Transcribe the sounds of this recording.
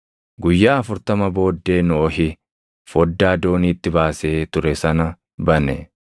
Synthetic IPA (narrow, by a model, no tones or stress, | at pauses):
ɡʊjːaːɐfʊɾt̪ɐmɐbo̞ːd̪ːe̞ːnɔːɦɪ | fɔd̪ːaːd̪o̞ːniːt̪ːɪbaːse̞ːt̪ʊɾɛsɐnɐ | bɐnɛ